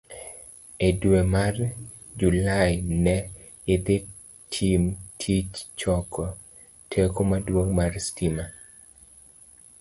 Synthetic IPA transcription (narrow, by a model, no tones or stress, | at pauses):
edwemar | d͡ʒulajnɛ | ɪd̪ɪ | tʰimtʰit͡ʃt͡ʃɔkʰɔ | tʰekomadwoŋmarstima